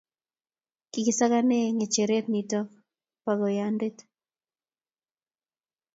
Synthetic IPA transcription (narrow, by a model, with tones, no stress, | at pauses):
kikɪ˨sa˦kane˦ŋe˨t͡ʃe˨ɾe˦tnitɔ˦ | pa˨ɡɔ˨jande˦t̪